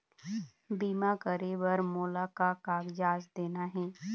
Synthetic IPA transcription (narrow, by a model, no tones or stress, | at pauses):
biːmakəɾebɐɾmoːlakakaːɡd͡ʒaːzd̪eːnaɦɛː